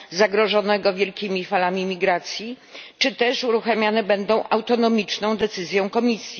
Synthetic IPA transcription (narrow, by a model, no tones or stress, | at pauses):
zaɡɾɔʐɔnɛɡɔvʲjɛlkʲimʲifalamʲimʲiɡɾat̪sʲji | t͡ʂɘt̪ɛʂuɾuxamʲjanɛbɛnd̪ɔ̃w̃ʔawt̪ɔnɔmʲit͡ʂnɔ̃w̃d̪ɛt̪sɘzʲjɔ̃w̃kɔmʲisʲji